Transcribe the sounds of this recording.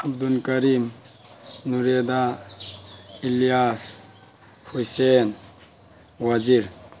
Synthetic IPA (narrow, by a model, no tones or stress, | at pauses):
ab̚d̪unkaɾim | nuɾed̪a | ilijas | hujsen | wad͡ʒiɾ